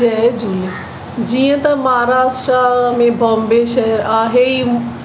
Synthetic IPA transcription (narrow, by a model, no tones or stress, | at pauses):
ɛd͡ʒule | d͡ʑijə̃t̪ɐmɐɦaɾaːʃʈɾamẽbʱɐmbeʃəaːɦei